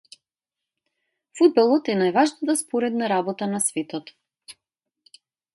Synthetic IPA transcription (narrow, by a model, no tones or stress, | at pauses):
fud̪̚bɛlˠɔt̪ɛnajvaʒnat̪aspɔɾɛd̪naɾabɔt̪anasvɛt̪ɔt̪